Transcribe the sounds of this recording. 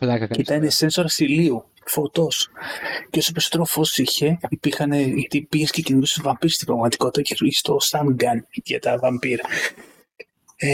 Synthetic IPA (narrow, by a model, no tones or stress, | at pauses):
lit̪ɐnesensoɾɐsiliu | fot̪osceo̞sɐpisot̪ɾofo̞siçe̞ipiɾxɐneʝt̪ipiescecinuðist̪ovɐmpiɾst̪ibɾɐɣmɐt̪iko̞t̪it̪ɐcefiçist̪o̞sɐnɡɐnʝɐ̰t̪ɐvɐmpiɾɐ